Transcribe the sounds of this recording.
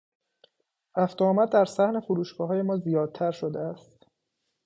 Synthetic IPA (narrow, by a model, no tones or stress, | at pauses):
ɾæft̪oːmæd̪ːæɾsæhne̞foɾuːʃɡɒːɦɒːje̞mɒːzijɒːd̪̚t̪ʰæɾʃod̪eæst̪